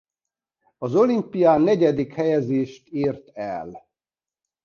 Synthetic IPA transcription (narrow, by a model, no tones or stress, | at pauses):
ɒzo̞limpijaːnɛɟɛd̪ikhɛjɛzeːʃt̪iːrt̪ɛl